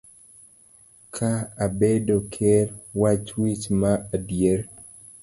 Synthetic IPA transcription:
kʰaːbedokʰɛlwat͡ʃwit͡ʃmaadjeɾ

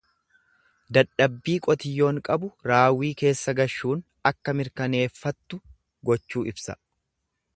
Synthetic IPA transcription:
d̪ɐᶑɐbːiːkʼɔt̪ɪjːo̞ːŋkʼɐbʊɾaːwiːke̞ːsːɐɡɐʃːuːn | ɐkːɐmɪɾkɐne̞ːfːɐt̪ːʊ | ɡɔt͡ʃːuːɪbsɐ̰

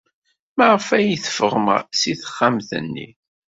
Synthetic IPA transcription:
mæʁfæjiθə̥fəʁmsiθə̥χːamθə̰nːḭ

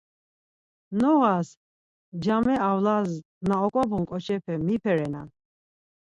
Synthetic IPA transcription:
nɔɣas | d͡ʒamɛawlaz | naɔkʼɔbuŋkʼɔt͡ʃʰɛpʰɛmipʰɛɾɛna̰

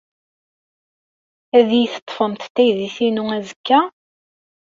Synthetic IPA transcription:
æðjiθə̥t̪ˤːfəmθt̪ːæjðiθinuæzəkːæ

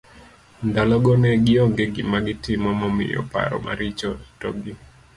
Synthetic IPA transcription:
ndalɔɡɔnɛɡɪɔŋɡeɡɪmaɡɪtɪmɔmɔmɪ̰jɔ̰pa̰ɾɔ̰mʔa̰ɾit͡ʃɔtɔɡɪ

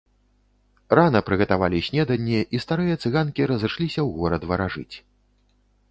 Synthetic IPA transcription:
ranɐpɾɨɣɐt̪ava̰lʲisʲnʲɛd̪ɐnʲːiʔist̪aɾɨjɐt̪sɨɣankʲiɾɐzɨʂlʲisʲɐwɣɔɾɐd̪vɐɾaʐɨ̰t͡sʲ

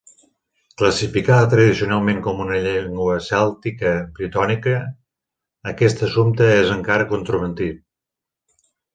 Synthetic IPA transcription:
kləsifikaðət̪ɾəðisiunalˠmẽŋkɔmunəʎɛŋɡwəsɛlˠt̪ikəbɾit̪ɔnikəː | kɛst̪əsumt̪əezəŋkaɾəkunt̪ɾuβənt̪i

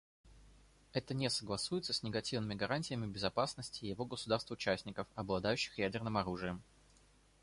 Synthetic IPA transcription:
ɛt̪ənʲesəɡlˠɐsujɪt̪səsʲnʲɪɡɐtʲivnɨmʲɪɡɐɾanʲtʲɪjəmʲɪbʲɪzɐpasnəsʲtʲɪːjɪvo̞ɡəsʊd̪arst̪vʊt͡ɕæsʲnʲɪkəfɐblˠɐd̪ajʉɕːɪ̥xjædʲɪrnɨmɐɾuʐɨjəm

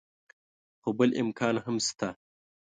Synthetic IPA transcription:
xobəlʔɪ̰mkʰɑːnɦəmst̪a

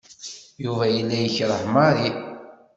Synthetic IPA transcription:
juvæjəlːæjəçɾˤəħmɑɾi

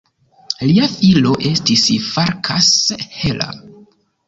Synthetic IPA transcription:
liafilo̞ʔe̞stisfaɾkʰashe̞lʔa̰

